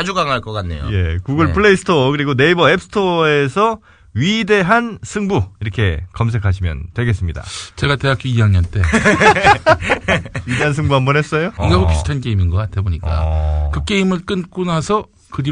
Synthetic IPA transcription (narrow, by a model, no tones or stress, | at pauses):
ad͡ʑuɡaŋaɭkʌk͈anːḛjo̰je̞kuɡɯɭpʰɯɭːeisʰɯ̥tʰokɯɾiɡone̞ibʌep̚s͈ʰɯ̥tʰoe̞sʰʌ | ɥide̞ɦansʰɯŋbuiɾʌkʰe̞kʌms̬ʰe̞kʰaɕ̬ʰimjʌ̰ntwe̞ɡe̞s͈ɯmɲida̰t͡ɕe̞ɡateakʰjoijaŋɲʌnt͈e̞ | ɥide̞ɦans̬ʰɯŋbuɦambʌnɦe̞s͈ʌjoʌŋɡaɡopisʰtʰank͈e̞imiŋɡʌk͈atʰe̞boɲik͈a̰kɯk͈e̞imɯɭk͈ɯnk͈unasʰʌ | kɯɾi